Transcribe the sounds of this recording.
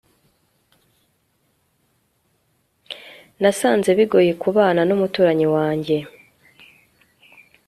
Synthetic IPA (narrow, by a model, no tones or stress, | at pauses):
nasaːnze̞βiɡo̞jekuβaːnanomutuːɾaɲiwaːɲɟe̞